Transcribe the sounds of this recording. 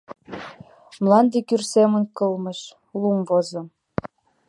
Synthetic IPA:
mlɑnd̪ekyrsemənkɤlmə̆ʃ | lumvozɤ̆m

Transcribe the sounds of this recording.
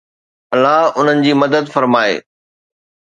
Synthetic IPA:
ɐlːaɦʊn̤ənɪ̆d͡ʑiːmɐd̪əd̪fɐɾmaːḛː

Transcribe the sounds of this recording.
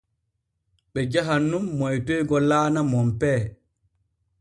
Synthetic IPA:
ɓɛd͡ʒaɦanːumːɔjtɔjɡɔlaːnamɔmpɛː

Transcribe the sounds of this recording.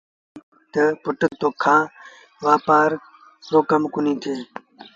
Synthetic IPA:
t̪əpʊʈət̪oːkʰãː | ʋaːpaːɾ | soːkɐmkunĩːt̪ʰeː

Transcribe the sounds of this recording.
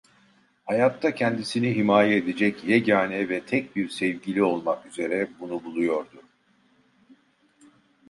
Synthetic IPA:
hajat̪ʰːacʰɛnd̪isiniɦimaːjɛed̪ed͡ʒɛcjɛɟaːnɛvɛt̪ʰɛc̚biɾsɛvɟilʲio̞lˠmakyze̞ɾɛbunubulˠujo̞ɾd̪ʊ

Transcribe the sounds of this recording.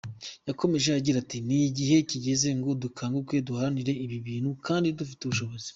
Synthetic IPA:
jako̞me̞ʒeaɟiɾatiniɟiɦe̞ciɟe̞ze̞ŋɡo̞dukʰaːŋɡukwe̞duhaɾaniɾe̞iβiβiːnhukʰaːndidufi̥tuβuʃo̞βo̞zi̥

